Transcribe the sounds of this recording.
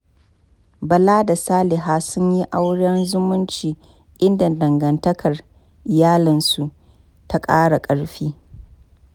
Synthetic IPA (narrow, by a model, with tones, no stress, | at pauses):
bɐ˨laː˦da˨saː˦lɪ˨ɦaː˦sʊ˦ɲji˦ʔa˦wɽɛ˦nzʊ˦mʊ˦nt͡ʃiː˨ | ʔɪ˦nda˨dɐ˨ŋɡɐ˨ntɐ˦kʰɐ˨r | ʔɪ˨jaː˦lɪ˨nsu˨ʔ | ta˦kʼaː˦ɽa˨kʼɐ˨ɽɸiː˦